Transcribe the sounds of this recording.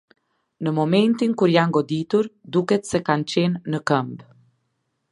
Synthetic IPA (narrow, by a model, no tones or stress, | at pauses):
nəmɔmɛnt̪inkuɾjanɡɔd̪it̪uɾd̪ukɛt̪sɛkant͡ɕɛnːəkəmb